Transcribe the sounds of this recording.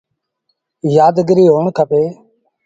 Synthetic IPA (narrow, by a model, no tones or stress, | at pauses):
jaːd̪ɡɾiːɦoːɳkʰəpeː